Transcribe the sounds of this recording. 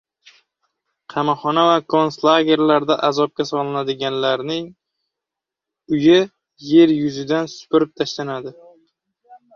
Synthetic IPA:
qʰɑmɒχɒnavakʰonslˠaɡʲe̞ɾlaɾd̪aʔazɒp̚kʲasɒlˠɪnad̪ɪɡʲanlaɾnɪŋ | ʊjɪ | je̞ɾjʊzɪd̪ansʊ̥pɪɾɪp̚t̪ʰaʃlanad̪ɪ

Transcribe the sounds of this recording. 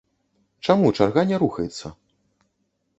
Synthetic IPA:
t͡ʂamut͡ʂarɣanʲɛɾuxɐjɛt̪sːɐ

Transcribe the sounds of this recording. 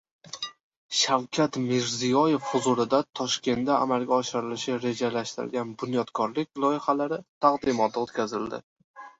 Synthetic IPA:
ʃawkʲʰat̪meɾzijɒje̞fhʊzʊlˠɪd̪at̪ʰɒʃkʲe̞nd̪a̰ːmalɡʲaɒʃɪɾɪlɪʃɪɾe̞d͡ʒalaʃt̪ɪɾɪ̰lɡʲanbʊnjɒt̪kʰɒɾlɪk̚ʲlˠɒjɪχalaɾɪt̪ʰaqd̪ɪmɒt̪ʰot̪kʲʰazɪld̪ɪ̰

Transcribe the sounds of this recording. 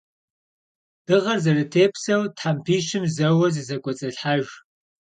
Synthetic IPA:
d̥ɨʁɐrzɐrɨtʰeːpʰsɐwtħampʰiːʃɪmzɐwɐzɨzɐkʷʼɔt͡sʼɐɬħaʒ

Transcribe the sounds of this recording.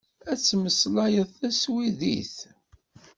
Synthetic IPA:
æt͡sːməslɑjəðˤθæswiðḭθ

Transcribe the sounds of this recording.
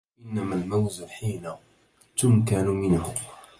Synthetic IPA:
ʔɪnːamalmawzɪħiːna | t̪ʊmkanmɪnhʊm

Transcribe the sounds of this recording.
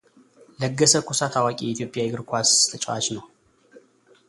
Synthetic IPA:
ləɡːəsəkʷʰusat̪ʰawakʼijɛit̪ʰjo̞pʼːjaiɡɨɾkʰʷast̪ʰət͡ʃʼwat͡ʃnəw

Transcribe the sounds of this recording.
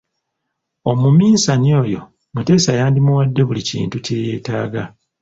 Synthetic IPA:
o̞mumiːsanio̞ːjo̞̰ | mute̞ːsajaːndimuwadːe̞βulicḭːntuceje̞ːtaːɡa

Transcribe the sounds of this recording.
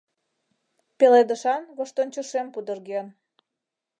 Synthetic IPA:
peled̪əʃɑnɣoʃt̪ont͡ɕəʃempud̪ərɣen

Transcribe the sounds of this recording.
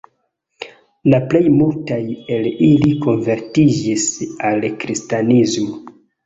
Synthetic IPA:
laple̞jmultaje̞liliko̞nve̞ɾtid͡ʒisalkɾistanizmo

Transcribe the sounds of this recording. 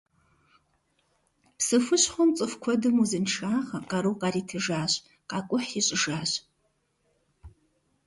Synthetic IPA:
psɨfɨɕħomt͡sʼɨfkʷʰɔdɨmuzɨnʂaːχɐqɑɾɨwqaɾitʰɨʐaːɕ | qakʷʼʊħiɕʼɪʐaːɕ

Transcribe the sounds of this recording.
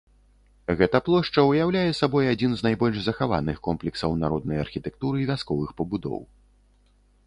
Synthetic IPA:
ɣɛt̪ɐplˠɔʂt͡ʂɐujawlʲajɛsabɔjad͡zʲinznajbɔlʲʐzɐxava̰nɨxkɔmplʲɛksɐwnaɾɔd̪̚nɐjɐ̰rxʲit̪ɛk̚t̪uɾɨivʲaskɔvɨxpɐbud̪ɔ̰w

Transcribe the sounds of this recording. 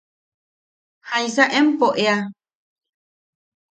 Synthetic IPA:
hãĩsaʔẽmpoʔea

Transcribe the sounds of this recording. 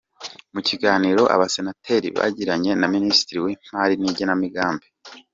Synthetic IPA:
muciɡaːniɾo̞ʔa̰βase̞natʰe̞ɾḭβa̰ɟiɾaɲe̞naminisi̥tiɾiweːm̥aːɾiniɟenamiɡaːmbe

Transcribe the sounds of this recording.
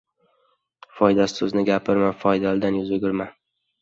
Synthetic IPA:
fɒjd̪asɪ̥sɵznɪɡʲapʰɪɾmafɒjd̪ald̪anjʊzɵɡʲɪɾman

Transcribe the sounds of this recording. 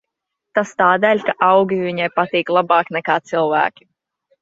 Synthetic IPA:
t̪ast̪aːd̪ɛːʎʲkaʔawɡʲiviɲajpat̪iːklˠabɑːknɛkaːt̪silˠvæ̰ːkʲi̥

